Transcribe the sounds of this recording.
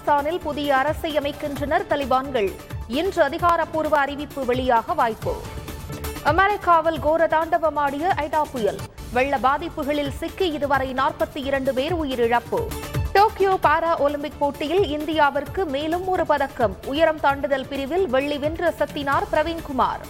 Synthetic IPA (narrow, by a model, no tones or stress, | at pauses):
staːnɪlpʊðɪjɐːɾɐsɐɪɐmɐɪkːɪndrɐnɐɾt̪ɐlɪbaːnɡɐɭ | ɪndrɯɐðɪɣaːɾɐpːuːɾʋɐːɾɪʋɪpːɯʋɛɭɪjaːɣɐʋaːjpːo̰ː | ɐmɐɾɪkːaːʋɐlɡoːɾɐt̪aːɳɖɐʋɐmaːɽɪjɐʔɐɪɽaːpːʊjɐlʋɛɭːɐbaːðɪpːɯɣɐɭɪlsɪkːiɪðɯʋɐɾɐɪnaːrpɐt̪ːɯɪɾɐɳɖɯpeːɾʊjɪɾɪɻɐpːɯ̰ʈoːkɪjoːpaːɾaːʔolɪmpɪk̚poːʈːɪjɪlɪnd̪ɪjaːʋɐrkɯmeːlɯmɔɾɯpɐðɐkːɐmʊjɐɾɐmt̪aːɳɖɯðɐlpɪɾɪʋɪlʋɛɭːiʋɪndrɐsɐt̪ːɪnaːɾpɪɾɐʋeːnkʊma̰ːɾ